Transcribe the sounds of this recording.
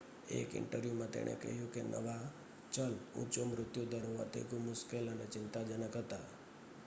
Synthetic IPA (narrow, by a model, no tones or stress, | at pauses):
ḛkɪ̰̃ɳʈəɾimãt̪ḛɽ̃ʔḛkə̰ɦjũkenʔə̰ʋa | t͡ʃəlṵ̃t͡ʃomɾʊt̪jud̪əɾɦoʋa̰t̪ḛɡũmʊʃkelənet͡ʃɪnt̪ad͡ʒənəkɦət̪a